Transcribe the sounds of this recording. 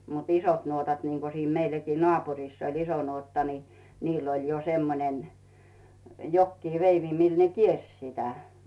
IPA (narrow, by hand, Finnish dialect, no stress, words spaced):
mut isot nuotɑt niŋko siːn meilːækiː nŏɑˑpuriˑsː olʲ iso nuotːɑ ni niːlː olʲ jo semːonen jokːiː ʋeiʋi mil ne kiersʲ sitæ